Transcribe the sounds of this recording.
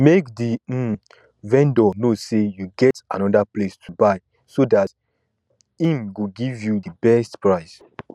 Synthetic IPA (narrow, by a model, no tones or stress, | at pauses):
mekdi | vɛ̃ndɔnosejuɡɛta̰nɔdaplestʰubaɪ | sodat | ĩmɡuɡivjudəbɛstpɹaɪs